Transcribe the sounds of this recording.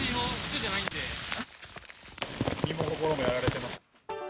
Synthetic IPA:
imõsɯkɯd͡ʑanaĩnd̪e̞ | imokokoɾo̞mojaɾaɾe̞t̪e̞mas

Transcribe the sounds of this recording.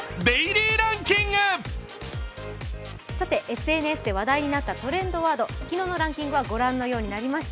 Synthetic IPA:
beiɾʲiːɾãŋkʲĩŋɡɯ | sat̪e̞ʔe̞sɨe̞ːnɯ̟esɨd̪e̞β̞ad̪aiɲ̟inat̪ːat̪o̞ɾẽ̞nd̪o̞βaːd̪o̞kʲino̞ːno̞ɾãŋkʲĩŋɡɯ̟βaɡo̞ɾãnːo̞jo̞ːɲ̟inaɾʲimaɕi̥t̪a

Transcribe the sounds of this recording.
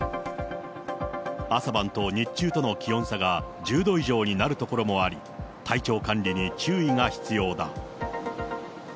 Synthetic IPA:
asabãnt̪o̞ɲ̟it͡ɕːɨːt̪o̞no̞kʲijõ̞saɡa | d͡ʑɨːd̪o̞iʑo̞ːɲ̟inaɾɯ̟t̪o̞ko̞ɾo̞mo̞aɾʲi | t̪ait͡ɕo̞ːkãnɾʲiɲ̟it͡ɕɨːiŋaçi̥t͡sɨjo̞ːd̪a̰

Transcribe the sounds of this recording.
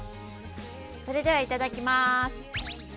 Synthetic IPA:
so̞ɾe̞d̪e̞β̞ait̪ad̪akʲimasɨ̥

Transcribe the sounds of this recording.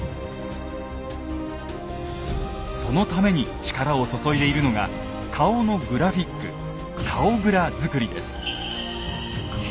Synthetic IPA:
so̞no̞t̪ame̞ɲ̟it͡ɕi̥kaɾao̞so̞so̞id̪e̞iɾɯ̟no̞ɡa̰ | kʰao̞no̞ɡɯ̟ɾaɸʲikːɯ̰ | kʰao̞ɡɯ̟ɾazɨkɯ̟ɾʲid̪e̞̰sɨ̥

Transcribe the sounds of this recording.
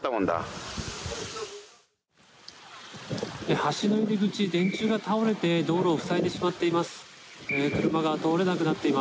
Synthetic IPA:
t̪ːamõnd̪a̰ | ehaɕino̞iɾʲiɡɯ̟t͡ɕid̪ẽ̞ɲ̟t͡ɕɨːɡat̪ao̞ɾe̞t̪e̞d̪o̞ːɾo̞ːɸɯ̟̥saet̪e̞ɕimat̪ːe̞imasɨ̥kɯ̟ɾɯ̟maɡat̪o̞ːɾe̞nak̬ɯ̟nat̪ːe̞ima

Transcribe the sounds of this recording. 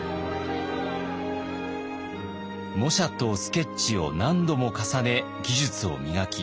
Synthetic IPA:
mo̞ɕat̪osɨ̥ke̞ɕio̞̰nãnd̪o̞mo̞kasane̞ | ɡʲiʑɨt͡sɨo̞̰mʲiɡakʲi

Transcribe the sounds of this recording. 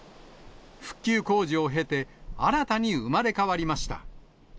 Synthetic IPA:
ɸɯ̟̥kʲːɨːko̞ːʑio̞ɦe̞t̪e̞aɾat̪aɲ̟iɯ̟maɾe̞kaβaɾʲimaɕi̥t̪a̰

